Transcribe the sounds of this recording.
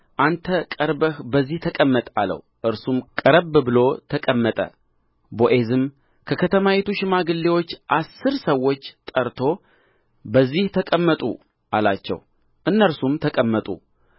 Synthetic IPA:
ʔant̪ʰəkʼəɾbəhbəzːiht̪ʰəkʼəmːət̪ʼa̰lə̰w | ʔɨɾsumkʼəɾəbbɨlo̞t̪ʰəkʼəmːət̪ʼə̰ | boʔe̞zɨm | kʰəkʰət̪ʰəmawet̪uʃɪmaɡɨlːewo̞t͡ʃːʔasːɨɾsəwːo̞t͡ʃːt̪ʼəɾt̪ʰo̞ | bəzːiht̪ʰəkʼəmːət̪ʼṵ | ʔala̰t͡ʃːɛ̰w | ʔɨnːəɾsumt̪ʰəkʼəmːət̪ʼṵ

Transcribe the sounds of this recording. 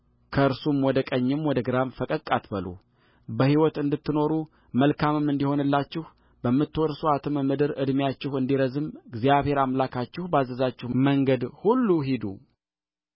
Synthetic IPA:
kʰəɨɾsumwɔd̪əkʼəɲːɪmwɔd̪əɡɨɾamfəkʼəkʼːat̪bəlṵ | bəhiwɔt̪ɨnd̪ɨt̪ʰːɨno̞ɾu | məlkʰamɨmɨnd̪iho̞nɨlːat͡ʃːɪh | bəmːɨt̪ːwɔɾsuat̪ʰɨmɨmɨd̪ɨɾɨd̪mjat͡ʃːɪhɨnd̪iɾəzɨmɡzijaβhe̞ɾamlakʰat͡ʃːɪhbazːəzat͡ʃːɪhməŋɡəd̪hulːuɦid̪ṵ

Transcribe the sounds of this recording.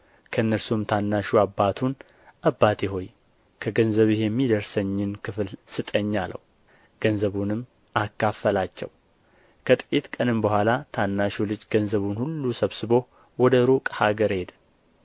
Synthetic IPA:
kʰəɨnːəɾsumt̪ʰanːaʃuabːat̪ʰun | ʔabːat̪eɦo̞j | kʰəɡənzəβɪheɛmːid̪əɾsəɲːɪnkʰɨflsɨt̪ʼəɲːalə̰w | ɡ̥ənzəβunɨmː | akːafːəlat͡ʃːɛ̰w | kʰət̪ʼit̪kʼənɨmbəhʷalat̪ʰanːaʃulɨd͡ʒɡənzəβunhulːusəβsɨβo̞ | wɔd̪əɾukʼhaɡəɾhe̞d̪

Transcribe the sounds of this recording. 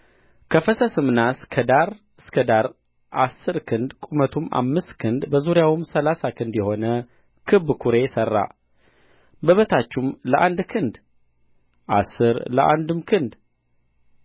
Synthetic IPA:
kʰəfəsəsɨmnaskʰəd̪aɾ | ɨskʰəd̪aɾ | ʔasːɨɾkʰɨnd̪kʷʼumət̪ʰumʔa̰mːɨst̪kʰɨnd̪bəzuɾjawɨmsəlasakʰɨnd̪jɛho̞nə | kʰɨbːkʰuɾe̞jɛsərːa̰ | bəβət̪ʰat͡ʃːumləʔand̪kʰɨnd̪ | ʔasːɨɾləʔa̰nd̪ɨmkʰɨnd̪

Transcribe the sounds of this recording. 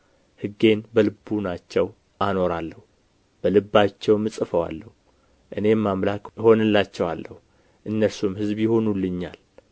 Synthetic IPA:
hɨɡːe̞nbəlɨbːunat͡ʃːɛw | ʔano̞ɾalːəhu | b̥əlɨbːat͡ʃːɛwmɨsʼfəwa̰lːəhu | ʔɨne̞mamlakho̞nɨlːat͡ʃːɛwa̰lːəhu | ʔɨnːəsumhɨzbjɪho̞nulːɨɲːa̰l

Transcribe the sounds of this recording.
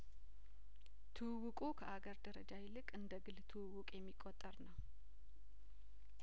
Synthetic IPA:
t̪ʰɨwwukʼukʰəʔaɡəɾd̪əɾəd͡ʒajɪlɨkʼɨnd̪əɡɨlt̪ʰɨwɨwukʼjɛmːikʼot̪ʼːəɾnəw

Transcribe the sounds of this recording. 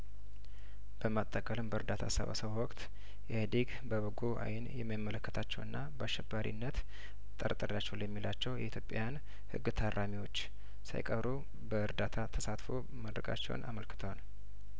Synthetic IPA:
b̥əmat̪ʼːəkʼəlɨmbəɨɾd̪at̪ʰa̰sə̰βa̰səβwɔkʼt̪ | jɛhd̪iɡ | bəβɨɡoʔa̰jɪnjɛmːjimːələkːət̪ʰat͡ʃːɛwɨnːabəaʃːɛbːaɾḭnːət̪ | t̪ʼə̰ɾt̪ʼəɾlat͡ʃːɛwljɛmːilat͡ʃːɛwjɛ̰it̪ʰjo̞pʼːajan | hɨ̰ɡːɨt̪ʰarʔamiwo̞t͡ʃː | sa̰jkʼəβɾu | bəɨɾd̪at̪ʰat̪ʰəsat̪fo̰ | məd̪ɾəkʼa̰t͡ʃːɛ̰w̰nʔa̰məlkɨ̥t̪ʰəwal

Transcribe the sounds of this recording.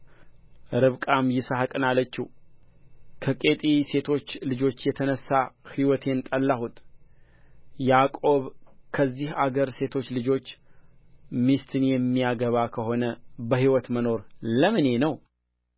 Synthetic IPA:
ɾɨβkʼamjɪsahkʼɨnalət͡ʃːi | kʰəkʼe̞t̪ʼise̞t̪ʰo̞t͡ʃːlɨd͡ʒo̞t͡ʃːjɛt̪ʰənəsːahiwɔt̪ʰe̞nt̪ʼəlːahut̪ʼ | jakʼo̞βkʰəzːihaɡəɾse̞t̪ʰo̞t͡ʃːlɨd͡ʒo̞t͡ʃː | mist̪ʰɨnjɛmːijaɡəβakʰəho̞nəbəɦiwɔt̪məno̞ɾləmɨne̞nəw

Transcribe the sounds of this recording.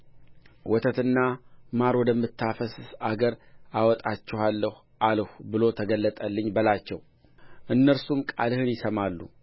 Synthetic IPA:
wɔt̪ʰət̪ɨnːamaɾwɔd̪əmːɨt̪ːafəsaɡəɾawɔt̪ʼat͡ʃːɛhalːəh | ʔalhʷbɨlo̞t̪ʰəɡəlːət̪ʼəlːɨɲːbəlat͡ʃːɛw | ʔɨnːəɾsumkʼa̰lhɨnjɪsəmalːṵ

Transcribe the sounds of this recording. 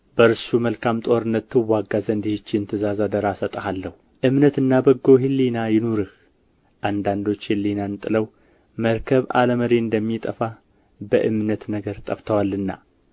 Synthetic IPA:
bəɾɨsuməlkʰamt̪ʼo̞ɾɨnːət̪ːɨwaɡːazənd̪ihɪt͡ʃːɪnt̪ʰɨzazad̪əɾasət̪ʼəhalːəhu | ʔɨmnət̪ɨnːabəɡːo̞ɦilːinajɪnoɾɨh | ʔand̪and̪o̞t͡ʃːhilːinant̪ʼɨləw | məɾkʰəβa̰ləməɾeɨnd̪əmːit̪ʼəfa | bəʔɨmnət̪nəɡəɾt̪ʼəft̪ʰəwalːɨnːa̰

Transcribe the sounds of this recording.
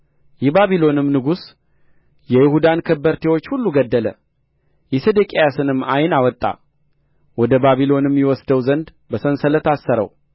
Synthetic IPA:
jɛbaβilo̞nɨmnɨɡus | jɛjɪhud̪ankʰəbəɾt̪ʰewot͡ʃːhulːuɡəd̪ːələ | jɛsed̪əkʼejasɨnɨmːajnawɔt̪ʼːa̰ | wɔd̪əbaβilo̞nɨmːjɛwɔsd̪əwzənd̪ | bəsənsələt̪asːəɾə̰w

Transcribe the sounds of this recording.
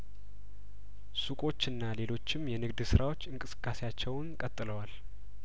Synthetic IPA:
sukʼo̞t͡ʃːɨnːale̞lo̞t͡ʃːɪmjɛnɨɡd̪sɨɾawo̞t͡ʃːɨŋkʼɨsɨ̥kʼːase̞jat͡ʃːɛwnkʼət̪ʼːɨləwal

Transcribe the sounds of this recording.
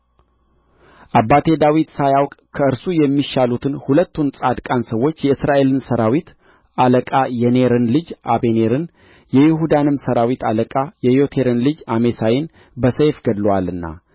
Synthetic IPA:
ʔabːat̪ʰe̞d̪awit̪sajawkʼkʰəɨɾsujɛmːiʃalut̪ʰɨnhulət̪ːunsʼad̪kʼansəwːo̞t͡ʃːjɛɨsɾʔaʔe̞lɨnsəɾawit̪ | aləkʼajɛne̞ɾɨnlɨd͡ʒʔabeneɾɨn | jɛjɪhud̪anɨmsəɾawit̪aləkʼajɛjo̞t̪ʰe̞ɾɨnlɨd͡ʒame̞sajɪn | bəsejfɡəd̪lwalɨnːa̰

